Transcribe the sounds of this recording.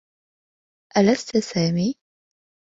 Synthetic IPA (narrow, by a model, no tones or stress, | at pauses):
ʔalast̪ʊsaːmiː